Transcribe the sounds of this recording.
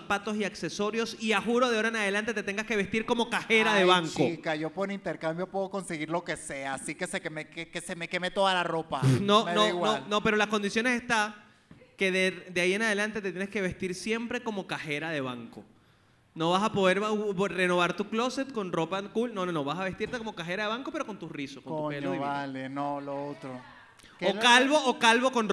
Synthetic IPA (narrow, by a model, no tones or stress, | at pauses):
pat̪o̞siakseso̞ɾjo̞siaxuɾo̞ðeaoɾaenað̞e̞lant̪e̞t̪e̞t̪e̞ŋɡaske̞β̞e̞st̪iɾko̞mo̞kaxe̞ɾaðeβaŋkoikaʝo̞poɾint̪eɾkambjo̞pweðoko̞nseɣiɾlo̞ke̞se̞aːsikesekemekekesemeke̞met̪oðalaro̞panomenoaiɣwolno̞pe̞ɾo̞lasko̞nd̪isjo̞nesest̪a | ke̞ðed̪eaie̞naðe̞lant̪e̞t̪et̪jeneske̞β̞est̪iɾsje̞mpɾe̞ko̞mo̞kaxe̞ɾaðe̞βaŋko̞ | no̞βasapo̞ðe̞ɾβare̞no̞βaɾt̪uklo̞se̞t̪̚ko̞nro̞pakulno̞nono̞βasaβe̞st̪iɾt̪eko̞mokaxe̞ɾaðe̞βaŋko̞pe̞ɾo̞ko̞nt̪usrisoskonoupeloβalenoloot̪ɾo | kokalβoʔokalβo̞ko̞n